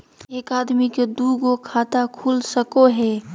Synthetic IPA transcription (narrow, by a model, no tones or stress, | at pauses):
eːkaːd̪miked̪uːɡokʰaːt̪akʰuːlsəkoɦɛː